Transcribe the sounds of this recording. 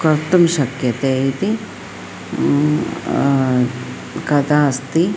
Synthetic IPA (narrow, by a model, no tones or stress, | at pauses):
kɐɾt̪ɐmʃɐkjɐt̪eːit̪i | kɐd̪aːɐst̪i